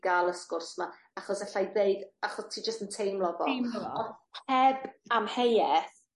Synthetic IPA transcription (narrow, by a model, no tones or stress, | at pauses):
ɡ̥aːlˠəskʊrsma | aχɔsɛɬajðejɡaχɔstʰiːd͡ʒəstəntʰejmlˠɔvɔɔhɛbamhejɛθ